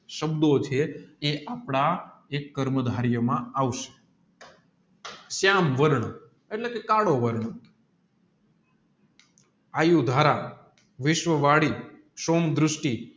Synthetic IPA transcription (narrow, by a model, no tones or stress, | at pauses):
ʃəbd̪ot͡ʃʰeeʔapɳaekːəɾməd̪ʱaɾjəmãaʋʃe̥ | sjamʋəɾɳ | eʈlekekaɽoʋəɾɳə | ajud̪ʱaɾa | ʋɪʃʋəʋaɽi | ʃomd̪ɾʊʃʈi